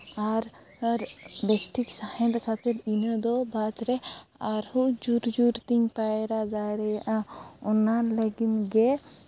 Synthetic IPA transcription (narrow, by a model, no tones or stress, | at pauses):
aɾ | ɾbɛsʈiksahɛ̃nd̪kʰat̪ɛɾinəd̪ɔbat̪ɾɛaɾhud͡ʒuɾd͡ʒuɾt̪iŋpaɾad͡ʒaɾɛʔãɔnaɾləɡinɡɛ